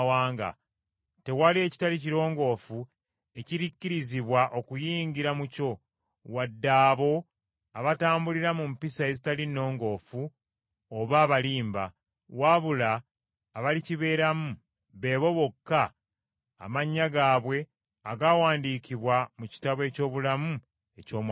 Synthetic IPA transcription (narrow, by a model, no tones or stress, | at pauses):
waːŋɡa̰ | te̞walie̞ci̥taliciɾo̞ːŋɡo̞ːfu | e̞ciɾicːiɾiziβwaʔo̞kujiːŋɡiɾamuco̞ | wadːaːβo̞ | aβataːmbuliɾamumpisae̞zitalino̞ːŋɡo̞ːfu | oβaːβaliːmba̰ | waβulaː | βaliciβe̞ːɾamu | βe̞ːβo̞βo̞kːa̰ː | maɲːaɡaːβwe̞ | aɡaːwaːndikiβwamuci̥taβwe̞co̞ːβulamu | e̞co̞ːm